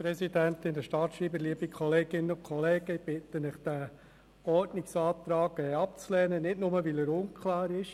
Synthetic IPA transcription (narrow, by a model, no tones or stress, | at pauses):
pɾɛsidænt̪ɪndəʃtɑt̪ʃɾiːbəliəbikʰɔleːɡɪnːəʊkʰχɔlɛːɡ̥əib̥ɪtənɪχd̥æ | ɔɾdnɪksɑːt̪ɾɑːɡɛːɑp̚t͡slɛːnənɪtnʊməʋiləɾʊnkʰlɑːɾɪʃ